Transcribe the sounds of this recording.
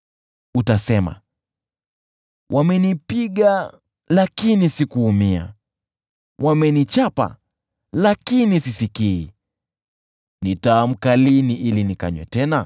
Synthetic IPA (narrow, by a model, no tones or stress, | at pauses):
utasɛma̰ | wʔamɛnipiɠa | lakinisikuːmia̰ | wʔamɛnit͡ʃapa̰ | lakinisisikiː | nitaːm̩kaliniʔilinika̰ɲwɛ̰tɛna